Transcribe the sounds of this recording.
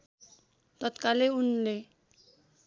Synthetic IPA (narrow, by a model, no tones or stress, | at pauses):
t̪ʌt̪kaleunle